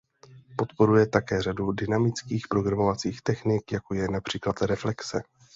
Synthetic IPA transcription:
po̞t̪po̞ɾujɛt̪akɛːr̝adudɪnamɪt͡skiːxpɾo̞ɡɾamo̞vat͡siːxt̪ɛxnɪkjako̞jɛnapr̝̥iːklat̪ɾɛflɛksɛ

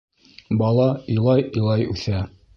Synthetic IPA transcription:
bɑlˠɑijlˠɑjĭjlˠɑjʉθæ

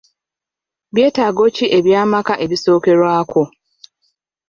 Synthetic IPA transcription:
bje̞ːtaɡo̞ciʔe̞βjaːmakaʔe̞βiso̞ːke̞ɾwaːko̞

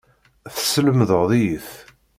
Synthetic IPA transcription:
θsələmðəʁðˤijəθ

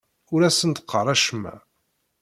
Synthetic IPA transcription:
ʊɾæsənt̪əqʰːəɾˤæʃmːæ̰

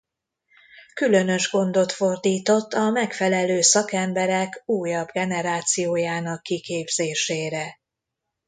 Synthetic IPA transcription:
kylø̞nø̞ʒɡo̞nd̪o̞t̪fo̞rd̪iːt̪o̞t̪ːɒmɛkfɛlɛløːsɒkɛmbɛɾɛkuːjɒbɡɛnɛɾaːt̪sijoːjaːnɒkːikeːbz̥eːʃeːɾɛ

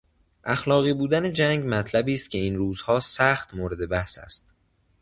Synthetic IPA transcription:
ʔæxlɒːɣiːbuːd̪æne̞d͡ʒæŋɟmæt̪ʰlæbiːst̪̚cʲʰe̞iːnɾuːzhɒːsæxt̪moːɾed̪e̞bæhsæ̰st̪̚

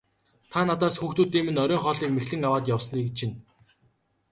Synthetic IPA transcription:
t̪ʰanat̪aːsxuːxt̪uːt̪iːmɘ̆nœɾʲœːŋχɔːɮiːkmexɮɘ̆ŋawaːt̪jawsniːkt͡ɕʰin

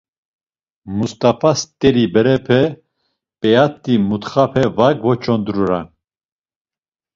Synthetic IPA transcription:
must̪ʼafast̪ʼɛɾibɛɾɛpʰɛ | pʼɛjat̪ːimut̪χapʰɛvakvɔt͡ʃʰɔnd̪ɾuɾan

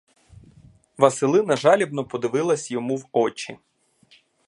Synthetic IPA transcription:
ʋɐsɪlˠɪnɐʒɑlʲibnɔpɔd̪ɪʋɪlˠɐsʲjɔmuwɔt͡ʃḭ

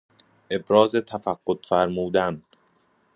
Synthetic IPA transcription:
ʔe̞bɾɒːzet̪ʰæfæɡːot̪fæɾmuːd̪æn

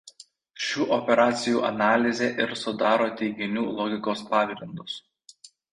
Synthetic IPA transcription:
ʃʲuːʔɔpʲɛɾɑːt̪sʲɪjṵːʔɐnɑːlʲɪzʲeʔɪɾsʊd̪ɑːɾoːt̪ʲɛɪɡʲɪnʲuːlˠɔɡʲɪkoːspɑːɡɾʲɪnd̪ʊs

